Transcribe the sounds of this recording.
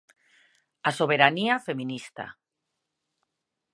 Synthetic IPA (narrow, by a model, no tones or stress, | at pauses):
asoβ̞eɾaniafemĩnist̪a̰